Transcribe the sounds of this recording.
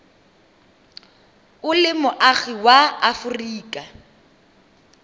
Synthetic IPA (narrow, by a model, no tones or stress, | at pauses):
ʊlɪmʊʔaɣiwaafʊriːkʼa